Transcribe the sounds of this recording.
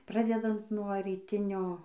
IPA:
ˈprɑːdʲɛdɐnt nuɔ rʲiːˈtʲɪnʲoː

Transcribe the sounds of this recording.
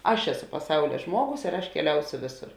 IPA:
ˈɐʃ ˈæːˌsʊ pɐˈsɐʊlʲɛ ˈʒmuɔˌɡʊs ɪr ɐʃ kʲɛˈlʲɛʊsʲoː ˈʋʲeːˌsʊr

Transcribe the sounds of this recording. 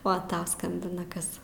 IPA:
ˈoː ˈtɐʊ ˈskɐmʲbʲɪnɐ ˈkɐs

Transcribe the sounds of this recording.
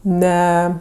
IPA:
ˈnʲɛ

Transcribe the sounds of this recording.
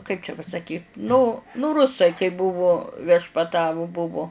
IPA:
kɐɪp t͡ʃʲɛ pɐsɐˈkʲiːt nʊ nʊ ˈrʊsɐɪ kɐɪ ˈbʊʋʊ ʋʲiɛʃpɐˈtɑːʋʊ ˈbʊʋoː

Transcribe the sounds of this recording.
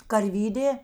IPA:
kɐrʲˈʋʲiːdʲeː

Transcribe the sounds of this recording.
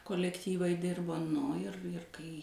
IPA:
koːlʲɛkˈtʲiːʋɐɪ ˈdʲɪrboː ˈnʊ ɪr ɪr kɐɪ

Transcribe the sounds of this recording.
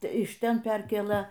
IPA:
ɪʃ ˈtʲɛn ˈpʲɛrʲkʲeːlˠɘ

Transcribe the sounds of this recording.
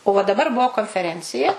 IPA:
oː ʋɐ dɐˈbɐr ˈbuɔ koːnʲfʲɛˈrʲɛnʲt͡sʲɪjɛ

